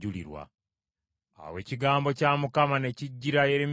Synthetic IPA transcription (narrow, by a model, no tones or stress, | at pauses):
ulḭɾwa̰ | a̰we̞ːciɡaːmbo̞caːmukamane̞ciɟːiɾajeɾem